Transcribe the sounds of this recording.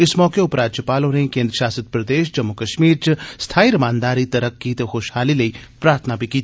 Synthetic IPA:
ɪsmɔːkeʊpɾaːd͡ʒjəpaːlõɾẽkẽːnd̪ɾəʃjaːsəd̪̚pɾɐd̪eːʃd͡ʒɐmːukɐʃmiːɾt͡ʃɐst̪ʰaːiɾɐmaːnd̪aːɾit̪ɐɾɐkːit̪ɐxoːʃhaːlilɐipɾaːɾt̪ʰənabʱikiːt̪ʰi

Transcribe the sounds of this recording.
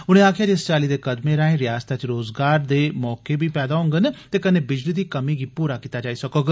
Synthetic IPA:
ʊɽ̃ẽaːkʰjaːd͡ʒeːst͡ʃaːlid̪eːkəd̪meɾaːẽɾɪjaːst̪ʰat͡ʃɾoːzɡaːɾd̪eːmɔːkebʱipɛːd̪aɦʊ̃ŋɡənt̪eːkɐnebɪd͡ʒlid̪iːkəmiɡipuːɾakit̪ad͡ʒaːisɐkoɡ

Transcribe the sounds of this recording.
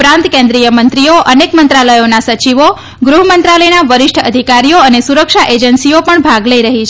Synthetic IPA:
pɾãnt̪kẽnd̪ɾijəmənt̪ɾioʔənekmənt̪ɾaləjonasət͡ʃiʋo | ɡɾuɦəmənt̪ɾaləjnaʋəɾɪʃʈʰəəd̪ʱikaɾijoənesuɾəkʃaʔed͡ʒənsiopəɳbʱaɡləiɾəɦit͡ʃʰ

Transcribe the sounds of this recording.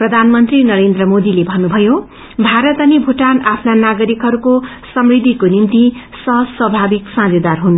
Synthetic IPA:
prʌd̪ʱanmʌnt̪rinʌɾend̪rʌmod̪ilebʱʌnːubʱʌjo | bʱaɾʌt̪ʌnibʱuʈanapʰnanaɡʌɾikɦʌɾuko | sʌmrid̪ʱːikonimt̪isʌɦswʌbʱabiksãd͡zʌd̪arɦun

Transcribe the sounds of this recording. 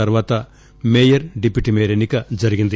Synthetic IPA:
ɐɾʋaːt̪ɐ | meːjɐɾɖipːiʈimeːɾenikɐd͡ʒɐɾiɡind̪i

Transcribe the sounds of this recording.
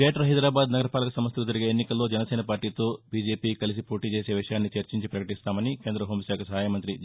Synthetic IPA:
eːʈɐɦɐjd̪ɾaːbaːd̪nɐɡɐɾɐpaːlɐkɐsɐmst̪kut̪ɐɾiɡeenːikɐlːoːd͡ʒɛnɐseːnɐpaːɾʈiːt̪o̞ːbiːd͡ʒe̞ːpiːkɐlis̬ipoːʈiːt͡ʃeːse̞ːʋiʂɐjaːnːit͡ʃɐɾt͡ʃiɲt͡ʃipɾɐkɐʈist̪aːmɐnike̞ːnd̪ɾɐɦoːmsaːkɐsɐɦaːjɐmɐnt̪̬ɾi

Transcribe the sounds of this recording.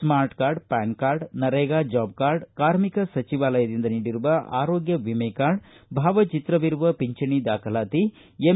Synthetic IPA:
smaːɾʈkaːɾɖpaːŋkaːɾɖnɐɾeːɡaːd͡ʒaːb̚kaːɾɖkaːɾmikɐsɐt͡ʃiʋaːlɐjɐd̪ind̪ɐniːɽiɾuʋɐʔa̰ːɾoːɡjɐʋimɐjkaːɾɖ | bʱaːʋɐt͡ʃit̪ɾɐʋiɾuʋɐpiɲt͡ʃɐɳid̪aːkʰɐlaːt̪i | e

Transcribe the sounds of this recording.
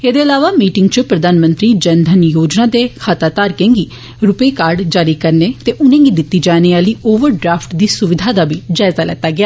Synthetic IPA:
eːd̪eːəlaːʋaːmiːʈɪŋɡt͡ʃəpɾəd̪aːnmə̃nt̪ɾiːd͡ʒənd̪ʱənjoːd͡ʒnãːd̪eːkʰaːt̪aːt̪aːɾkẽːŋɡiː | ɾʊpeːkaːɾɖd͡ʒaːɾiːkəɾneːt̪eːʔʊnẽːɡiːd̪ɪt̪ːiːd͡ʒaːneːaːliːʔoːʋəɾɖɾaːpʰʈd̪iːsʊʋɪd̪ʱaːd̪aːbiːd͡ʒaːɪzaːlɛ̰ːt̪aːɡɪjaː

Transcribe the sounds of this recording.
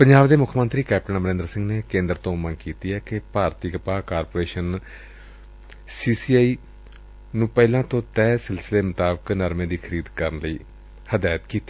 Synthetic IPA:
pəɲd͡ʒaːbd̪eːmʊkʰmənt̪ɾiːkɛːp̚ʈənmɾẽːnd̪əɾsɪ̃ŋɡneːkẽːnd̪əɾt̪õːmənkiːt̪iːɛːkepaːɾt̪iːkəpaːkaːɾpoːɾeːʃən | siːsiːaːiː | nũːpɛːlãːt̪õːt̪ɛːsɪlsɪleːmʊt̪aːbəknəɾmẽːd̪iːkʰəɾiːd̪kəɾənləiː | həd̪aːjt̪kiːt̪i̥ː

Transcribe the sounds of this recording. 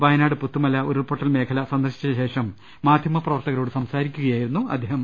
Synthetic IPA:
ʋɐjɐnaːɽɨput̪ːumɐlːɐoɾupoʈːɐlme̞ːkʰɐlɐsɐnd̪ɐrɕit͡ɕːɐɕe̞ːʂɐmː | aːd̪ʱjɐmɐprɐʋɐrt̪ɐɣɐlo̞ːɽɨsɐmsaːɾikʲːuɣɐjaːjiɾunːuɐ̰d̪ʱːeːɦɐm

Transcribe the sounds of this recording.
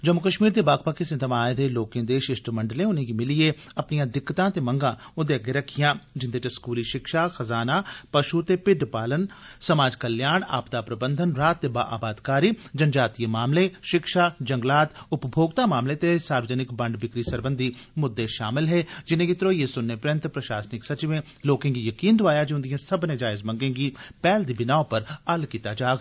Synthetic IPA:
d͡ʒɐmːʊkəʃmiːɾd̪ebaːkpakisɪnt̪ʰəmaːjed̪eloːkẽːd̪eːʃɪʃʈmɐ̃ɳɖəlẽʊnɦẽkimɪlieɐpnijãd̪ɪkːt̪ãt̪emɐ̃ŋɡã | ʊd̪eɡeɾɐkʰɪjãd͡ʒɪ̃nd̪eʈeskuːliʃɪkʃaxɐzaːnapɐʃut̪epɪɖpaːlənsɐmaːd͡ʒkɐljaːɽa̰ːpt̪apɾɐbə̃nd̪ʱənɾaːt̪ːeba̰ːʔa̰ːbaːd̪kaːɾid͡ʒɐnd͡ʒaːt̪ijmaːmleʃɪkʃad͡ʒɐ̃ŋɡlaːt̪ʊpbʱoːɡt̪amaːmlet̪esaːɾʋəd͡ʒənɪkbɐ̃ɳɖbɪkɾisɐɾbə̃nd̪ʱimʊd̪ːeʃaːmɪlɦɛd͡ʒɪnẽkɪt̪ɾojesʊnːəpɾə̃nt̪pɾɐʃaːsnɪksɐt͡ʃiʋẽ | loːkẽŋɡijɐkiːnd̪ʱʊʋaːjad͡ʒʊ̃nd̪ijẽsɐbned͡ʒaːɪzmɐ̃ŋɡẽːɡipɛːld̪ibɪnaːopɐɾɐlkit̪ad͡ʒaːɡ

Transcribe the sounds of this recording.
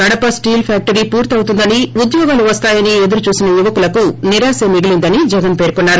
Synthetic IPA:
kɐɽɐpɐsʈiːlpʰjaːk̚ʈɐɾiːpuːɾt̪ɐwt̪und̪ɐniud̪jɔːɡaːluʋɐst̪aːjɐnie̞d̪uɾut͡ʃuːsinɐjuʋɐkulɐkuniɾaːsemiɡilind̪ɐnid͡ʒɛɡɐnpeːɾkɔnːaːɾu

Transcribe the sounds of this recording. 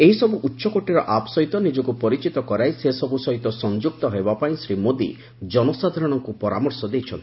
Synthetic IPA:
eɦisɔbuʔutːʃɔkoʈiɾɔʔapsɔɦit̪ɔnid͡ʒɔkupɔɾit͡ʃit̪ɔkɔɾajsesɔbusɔɦit̪ɔsɔnd͡ʒuk̚t̪ɔɦebapaĩsɾimod̪ḭ | d͡ʒɔnɔsad̪ʱaɾɔɽ̃ɔŋkupɔɾa̰mɔɾsɔd̪ejt͡ʃʰɔnt̪i

